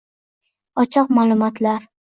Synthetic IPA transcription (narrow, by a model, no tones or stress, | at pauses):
ɒt͡ʃʰɒq̚maːlˠʊmɒt̪ʰlaɾ